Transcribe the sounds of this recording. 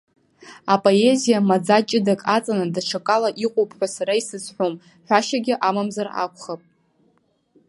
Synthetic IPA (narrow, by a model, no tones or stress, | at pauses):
apʼo̞e̞zijamad͡zat͡ʃʼɪdakʼat͡sʼanadaʈ͡ʂʰakʼalaʔiqʼopʼħʷᶣasaɾaisɨt͡sʼħʷᶣom | ħᶣʷaʃaɡʲɪʔamamzara̰kʷʰʼχapʼ